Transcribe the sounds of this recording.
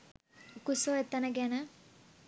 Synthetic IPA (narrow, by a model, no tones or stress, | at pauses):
ukusoet̪ːɐnɐɡenɐ